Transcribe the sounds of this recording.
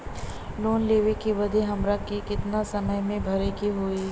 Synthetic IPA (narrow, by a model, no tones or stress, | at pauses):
loːnleːʋekeʋɐd̪ʱeɦɐmɾakikɪt̪nasɐməjmẽbʱɐɾekiɦoːiː